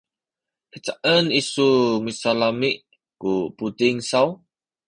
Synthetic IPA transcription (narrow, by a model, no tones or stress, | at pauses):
kət͡ʃaʔənisumisalamiʔ | kupud̪ɪŋsaw